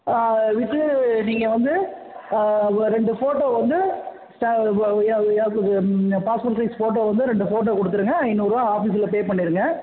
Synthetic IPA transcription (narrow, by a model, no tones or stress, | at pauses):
ʋɪʈːɯniːŋɡɐʋɐnd̪ɯ | ɾɛɳɖɯfoːʈːoːʋɐnd̪ɯ | sʈː | paːspoːɾʈsɐɪsfoːʈoːʋɐnd̪ɯɾɛɳɖɯfoːʈ̬ːoːkɔɽɯt̪ːɯɾɯŋɡɐɐɪnːuːɾãːaːfiːsɪlɐpeːpɐɳːɪɾɯŋɡɐ